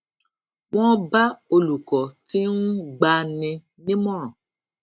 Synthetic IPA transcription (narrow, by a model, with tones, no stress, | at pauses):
w̃ɔ̃˦ba˦o˧lu˨kɔ˨ti˦nũ˦ɡ͡ba˧nĩ˧ | nĩ˦mɔ̃˦˨